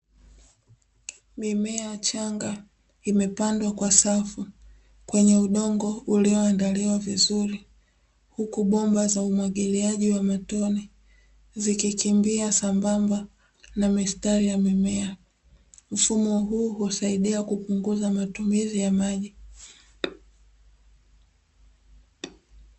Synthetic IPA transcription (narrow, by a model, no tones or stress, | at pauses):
mimɛat͡ʃaŋɡa | imɛpandwakwasafu | kwɛɲɛuɗɔŋɡɔuliɔandaliwavizuɾi | hukuɓɔmbazaumwaɠiliaʄiwamatɔni | zikikimbiasambamba | namistaɾijamimɛa | m̩fumɔɦuːhusaiɗiakupuŋɡuzamatumizijamaʄi